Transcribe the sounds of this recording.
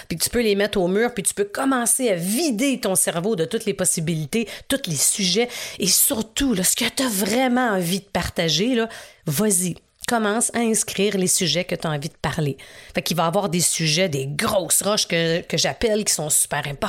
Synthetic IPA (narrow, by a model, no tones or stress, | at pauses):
pit̪y̥pølemɛt̪χoːmyːʁpit̪y̥pøkɔmɑ̃seavid̪et̪ɔ̃sɛʁvod̪ət̪ʊt̪lepɔsibilit̪et̪ʊt̪lesyʒɛesyʁt̪ulɔsə̥kət̪avʁɛmɑ̃ɑ̃vid̪əpaʁt̪aʒelʌvwazi | kɔmɑ̃saɛ̃skʲʁiːʁlesyʒɛkət̪aɑ̃vid̪əpaʁlefakivaːvwaːʁd̪esyʒɛd̪eɡʁɔsʁɔʃkəkəʒapɛlkʲi̥sɔ̃sy̥pɛːʁɛ̃pɔ